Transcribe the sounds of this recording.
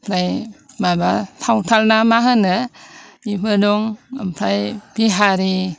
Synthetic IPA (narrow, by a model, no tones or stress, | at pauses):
pʰajmabatʰawtʰalnamaɦɯnɯipʰɯduŋa̰mpʰɾajpʰiɦaɾi